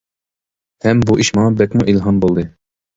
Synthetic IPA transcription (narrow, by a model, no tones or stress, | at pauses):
hɛmbuʔiʃmɑŋɑbɛkʲmuʔilɦɑnbolˠd̪ɨ